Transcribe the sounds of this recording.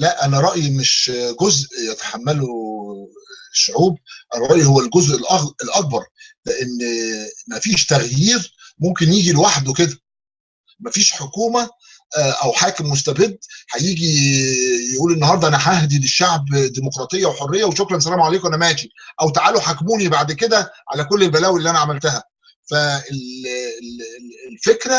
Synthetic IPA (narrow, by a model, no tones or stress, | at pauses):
læʔʔænæɾˤɑʔjimeʃɡozʔjet̪æ̥ħamːælo | ʃːoʕuːb̚ʔænæɾˤɑʔjihowːælɡozʔelʔɑelʔɑk̚bɑɾˤleʔenːmæfiːʃt̪æɣjiːɾmomkenjiːɡilewaħd̪weked̪æ | mæfiːʃħokuːmæ | ʔʔæwħaːkemːos̬t̪æbed̪ːħæjiːɡi | jʔuːlenːhɑːɾˤd̪ˤɑʔænæħaæhd̪ileʃːaʕbd̪imokɾˤɑːt̪ˤejːæweħorːejːæweʃokɾˤɑnsælæːmʕaleːkoʔænæmæːt̪iʔæwt̪aʕaːloħakmuːnibaʕd̪ked̪æʕa̰lækolːelbælæːwelːiʔænæʕamælt̪æhæ | fæel | elfekɾæ